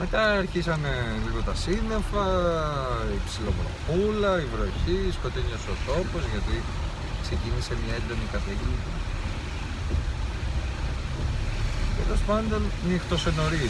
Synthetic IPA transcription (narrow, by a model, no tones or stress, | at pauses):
me̞t̪ɐɐɾçisɐneliɣo̞t̪ɐsine̞fɐ | ipsilo̞̰pɾo̰pulɐivɾo̞çisko̞t̪iɲosot̪o̞po̞zʝɐt̪i | kse̞cinise̞mɲɐend̪o̞nikɐθicint̪nɐt̪ | tḛlo̞spɐnd̪o̞nnixt̪o̞se̞no̞ɾi